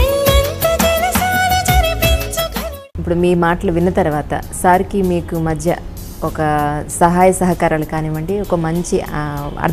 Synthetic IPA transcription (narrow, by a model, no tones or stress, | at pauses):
nt̪ɐd͡ʒenɐsaːlɐd͡ʒɐɾipiɲt͡ʃɐ | ipːuɽumiːmaːʈɐlɐʋinːɐt̪ɐɾuʋaːt̪ɐ̰saːɾikimiːkumɐd̪ʱjɐ̰ | ɔkɐsɐɦaːjɐsɐɦɐkaːɾaːlukaːniːʋɐɳɖiɔkɐmɐɲt͡ʃiɐ̰ɾ